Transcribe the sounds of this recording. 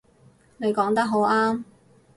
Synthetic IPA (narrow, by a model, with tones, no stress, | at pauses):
ne˨˧jkɔː˨˥ŋt̪ɐ˥k̚ɦo˨˥waː˥m